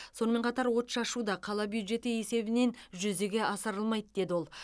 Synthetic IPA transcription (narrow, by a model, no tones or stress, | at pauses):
so̞nəme̞ɴqʰɑt̪ɑɾwo̞t̪ʃɑʃud̪ɑqʰɑlˠɑbjud̪ʒe̞t̪ɪje̞se̞bɪne̞nʒʏzeɡʲe̞ʔɑsəɾəlˠmɑjd̪əd̪̥e̞d̪ɪwo̞lˠ